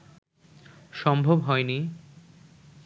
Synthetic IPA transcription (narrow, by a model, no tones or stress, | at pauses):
ʃɔmbʱobɦɔeni